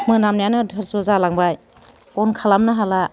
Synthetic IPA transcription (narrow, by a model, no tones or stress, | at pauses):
mɯnamnijanɯdʱɯɾsɔzalaŋbaj | ɔnkʰalamnɯɦala